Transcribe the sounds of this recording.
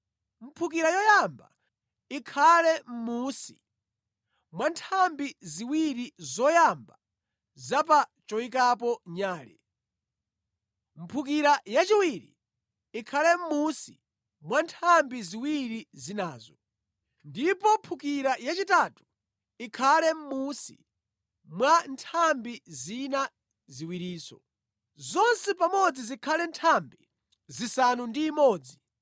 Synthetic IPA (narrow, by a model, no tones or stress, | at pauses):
m̩pʰuk̬iɾajɔjamba̰ | ikʰalɛm̩muːsi̥̰ | mwantʰambiziwiɾizɔjamba | zapat͡ʃɔikapɔɲaːlɛ̰ | m̩pʰuk̬iɾajat͡ʃiwiɾḭ | ikʰalɛm̩muːsḭ | mwantʰambiziwiɾizinaːzɔ | ndipɔmpʰukiɾajat͡ʃitatu̥ | ikʰalɛm̩musi̥̰ | mwantʰambizina | ziwiɾiːsɔ | zɔnsɛpamɔd͡zizikʰalɛntʰambi | zisanundiːmɔːd͡zi